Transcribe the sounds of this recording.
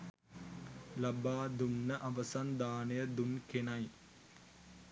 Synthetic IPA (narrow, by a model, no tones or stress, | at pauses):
lɐbaːd̪unːɐʔɐʋɐsɐnd̪aːnɐjɐd̪unkenɐj